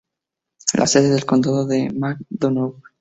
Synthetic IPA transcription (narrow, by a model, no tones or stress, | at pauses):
lʔa̰seðeðe̞lko̞nd̪aðoðemak̚d̪onowk